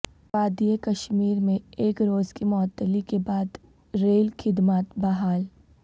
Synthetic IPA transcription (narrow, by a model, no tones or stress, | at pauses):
paːd̪ijekɐʃmiːɾmẽeːkɾoːzkimɔːt̪ːəlikebaːd̪ | ɾeːlxʰɪd̪maːt̪bɐɦaːl